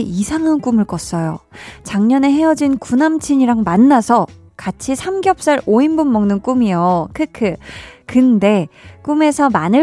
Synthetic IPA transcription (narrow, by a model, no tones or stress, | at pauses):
ʔisʰaŋank͈umɯɭk͈ʌs͈ʌjot͡ɕaŋɲʌne̞ɦe̞ʌd͡ʑinkunamt͡ɕʰiɲiɾaŋmanːasʰʌ | kat͡ɕʰisʰamɡjʌp̚s͈aɾoinbunmʌŋnɯnk͈umijokʰɯkʰɯkɯnde̞k͈ume̞sʰʌmanɯ